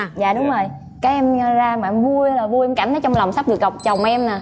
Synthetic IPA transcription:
za̰ː˧˨ɗʊ˨˦ŋ͡mzo˨˩j | kaː˨˦jʔɛ˧m˧zaː˧maː˨ɛ˧mvu˧əla˨˩vu˧jʔɛ˧mka˧˩ŋ̟əː˨˦t͡ɕɔ˧ŋ͡mlwŋ͡msa˦˥p̚ɗɨ˨˩ək̚ːə˨˩wk͡p̚t͡ɕə˨˩wŋ͡mʔɛ˧mnaː˨˩

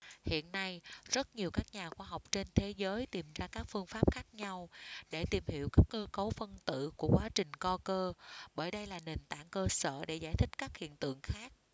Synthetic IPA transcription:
hḭ˧˨ənːa˧jzə˦˥t̚ɲi˨˩əwkaː˦˥k̚ɲaː˨˩xwaː˧ɦa˨˩wk͡p̚t͡ɕe˧nt̪ʰe˨˦zəː˨˦jt̪i˨˩mzaː˧kaː˦˥k̚fɨ˧əŋfaː˦˥p̚xaː˦˥k̚ɲa˧wɗe˧˩t̪i˨˩mhḭ˧˨əwkaː˦˥kːəː˧ko˨˦wfə˧nt̪ɨ̰˧˨ku˧˩əkwaː˨˦t͡ɕï˨˩ŋ̟kɔ˧kəː˧ɓəː˧˩jɗə˧jlaː˨˩ne˨˩nt̪a̰ː˧˩ŋkəː˧sə̰ː˧˨ɗe˧˩za̰ː˧˩jt̪ʰï˦˥k̟̚kaː˦˥k̚hḭ˧˨ənt̪ɨ̰˧˨əŋxaː˦˥k̚

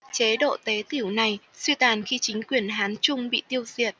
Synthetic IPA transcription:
t͡ɕe˨˦ɗo̰˧˨t̪e˨˦t̪i˧˩əwna˨˩jswi˧t̪aː˨˩nxi˧t͡ɕï˨˦ŋ̟kwi˨˩ənɦaː˨˦nt͡ɕʊ˧ŋ͡mɓḭ˧˨t̪i˧əwzḭ˨˩ət̚

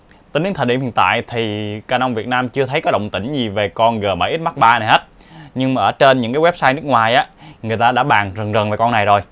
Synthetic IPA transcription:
t̪iː˧˨˦nɨ˨˧˦t̪ʰə˨˩ɗi˧˥hḭ˧˨ənt̪a̰ː˧˨jt̪ʰi˨˩kaː˧nʔwŋ͡mvi˨˩ət̚naː˧mt͡ɕɨ˧ət̪ʰə˨˦jkɔ˨˦ɗə̰˧˨wŋ͡mt̪ï˧˩ŋ̟zi˨˩ve˨˩kɔ˧nɣəː˨˩ma̰˧˩jʔi˦˥t̚ma˦˥t̚ɓaː˧na˨˩jɦe˦˥t̚ | ɲɨ˧ŋmaː˨ʔəː˧˩t͡ɕe˧nɲɨ̰˧˥ŋkaː˨˦wɛ˦˥p̚saː˧jnɨ˦˥ək̚ŋwaː˨˩jʔaː˨˦ŋɨ˨˩əjt̪aː˧ɗa̰ː˧˥ɓaː˨˩ŋzə˨˩ŋzə˨˩ŋve˨˩kɔ˧nːa˨˩jzo˨˩j

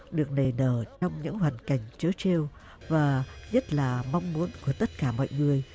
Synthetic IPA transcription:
ɗɨ˨˩ək̚ne˨˩nəː˧˩t͡ɕɔ˧wŋ͡mɲɨ̰˧˥ŋhwaː˨˩nka˨˩jŋ̟t͡ɕəː˨˦t͡ɕe˧w | vaː˨˩ɲə˦˥t̚laː˨˩ma˧wŋ͡mmu˨˦ənku˧˩ət̪ə˦˥t̚kaː˧˩mɔ̰˧˨jŋɨ˨˩əj

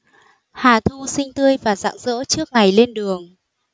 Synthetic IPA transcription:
haː˨˩t̪ʰu˧sï˧ŋ̟t̪ɨ˧əjvaː˨˩za̰ː˧˨ŋzə̰ː˧˥t͡ɕɨ˦˥ək̚ŋa˨˩jle˧nɗɨ˨˩əŋ

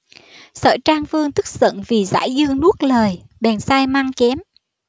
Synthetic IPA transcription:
sə̰ː˧˨˩jt͡ɕaː˧ŋfɨ˧əŋt̪ʰɨ˦˥k̚sə̰˧˨nvi˨˩za̰ː˧˥jzɨ˧əŋnu˦˥ət̚ləː˨˩j | ɓɛ˨˩nsaː˧jmaː˧ŋkɛ˨˦m

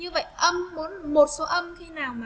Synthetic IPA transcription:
ɲɨ˧və̰˧˨jʔə˧mmu˨˦ənmo˨˩t̚so˨˦ʔə˧mk̪ʰi˨˧naː˨˩wmaː˨

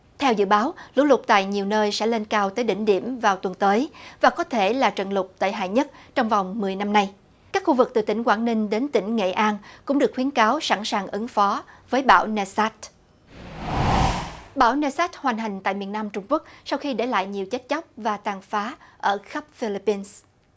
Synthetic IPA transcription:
t̪ʰɛ˧wzɨ̰˧˨ɓaː˨˦wlṵ˧˥lʊ˨˩k͡p̚t̪a̰ː˧˨jɲi˨˩əwnəː˧jsɛ̰˧˥le˧nkaː˧wt̪əː˨˦jɗï˧˩ŋ̟ɗḭ˧˩əmvaː˨˩wt̪wə˨˩nt̪əː˨˦jvaː˨˩kɔ˨˦t̪ʰe˧˩laː˨˩t͡ɕə̰˧˨nlʊ˨˩k͡p̚t̪a̰ː˧˨jɦa̰ː˧˨jɲə˦˥t̚t͡ɕɔ˧wŋ͡mva˨˩wŋ͡mmɨ˨˩əjna˧mna˧j | kaː˦˥k̚xu˧vɨ˨˩k̚t̪ɨ˨˩t̪ï˧˩ŋ̟kwaː˧˩nnï˧ŋ̟ɗe˨˦nt̪ï˧˩ŋ̟ŋḛ˧˨ʔaː˧nkʊ̰˧˥ŋ͡mɗɨ˨˩k̚wi˨˦ənkaː˨˦wsa̰˧˥ŋsaː˨˩ŋʔɨ˨˦ŋfɔ˨˦vəː˨˦jɓa̰ː˧˩wnɛ˧sa˦˥t̚ | ɓaː˧˩wne˧saː˦˥t̚hwaː˨˩jŋ̟ɦa˨˩ŋ̟t̪a̰ː˧˨jmi˨˩ənːaː˧mt͡ɕʊ˧ŋ͡mku˦˥ək̚sa˧wxi˧ɗḛ˧˩la̰ː˧˨jɲi˨˩əwt͡ɕə˦˥t̚t͡ɕa˦˥wk͡p̚vaː˨˩t̪aː˨˩ŋfaː˨˦ʔəː˧˩xə˦˥p̚fi˧li˧˥pːi˧ns

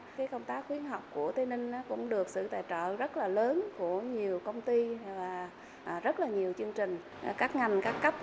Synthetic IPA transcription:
kaː˨˦jkə˧wŋ͡mt̪aː˦˥k̚xwi˨˦ənɦa˨˩wk͡p̚ku˧˩ət̪ʰi˨˦nï˧ŋ̟ʔaː˨˦kʊ̰˧˥ŋ͡mɗɨ˨˩ək̚sɨ̰˧˨t̪aː˧˨jt͡ɕə̰ː˧˨zə˦˥t̚laː˨˩ləː˨˦nku˧˩əɲi˨˩əwkə˧wŋ͡mt̪i˧vaː˨˩ | ʔːzə˦˥t̚laː˨˩ɲi˨˩əwt͡ɕɨ˧əŋt͡ɕï˨˩ŋ̟˨˩ | kaː˦˥k̚ŋa˨˩ŋ̟kaː˦˥kːa˦˥p̚

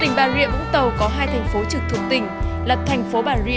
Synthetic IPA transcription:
t̪ï˨˩ŋ̟ɓaː˨˩zwḭ˧ənɓʊ̰˧˥ŋ͡mt̪ə˨˩wkɔ˨˦ɦaː˧jt̪ʰɛ˨˩jŋ̟fo˨˦t͡ɕɨ˨˩t̪ʰɨ˧˨əŋ̚t̪ï˨˩ŋ̟lə˨˩p̚t̪ʰɛ˨˩jŋ̟fo˨˦ɓaː˨˩zwḭ˧˨

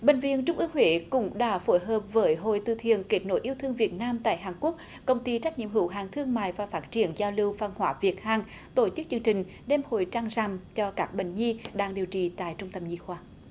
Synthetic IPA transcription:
ɓe˨˩ŋ̟vḭ˧˨ənt͡ɕʊ˧ŋ͡mʔɨ˧əŋhwe˨˦kʊ̰˧˥ŋ͡mɗa̰ː˧˥fo˧˦jɦəː˨˩p̚vəː˨˦jɦo̰˧˨jt̪ɨ̰˧˩t̪ʰḭ˧˨ənke˦˥t̚no̰˧˦jʔi˧əwt̪ʰɨ˧əŋvi˨˩ət̚naː˧mt̪a̰ː˧˨jɦaː˨˩ŋku˦˥ək̚ | kə˧wŋ͡mt̪i˧t͡ɕa˦˥k̟̚ɲḭ˧˨əmɦɨ˧˦wɦaː˨˩ŋt̪ʰɨ˧əŋma̰ː˧˨jvaː˨˩faː˦˥t̚t͡ɕi˧˩ənzaː˧wli˧wva˧˩nhwaː˧˦vi˨˩ət̚haː˨˩ŋ | t̪o˧˦t͡ɕɨ˦˥k̚t͡ɕɨ˧əŋt͡ɕï˨˩ŋ̟ | ɗɛ˧mho̰˧˨jt͡ɕaː˧ŋza˧˩mt͡ɕɔ˧kaː˦˥k̚ɓḛ˧˨ŋ̟ɲi˧ɗaː˧ŋɗi˨˩əwt͡ɕḭ˧˨t̪a̰ː˧˨jt͡ɕʊ˧ŋ͡mt̪ə˧mɲi˧xwaː˧˩

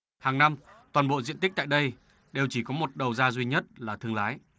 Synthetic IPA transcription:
haː˨˩ŋna˧mt̪waː˨˩nɓo̰˧˨zḭ˧əni˦˥k̚t̪ːjɗə˧j | ɗe˨˩wt͡ɕi˧˩kɔ˨˦mo˨˩t̚ɗə˨˩wzaː˧zwi˧ɲə˦˥t̚laː˨˩t̪ʰɨ˧əŋlaː˨˦j

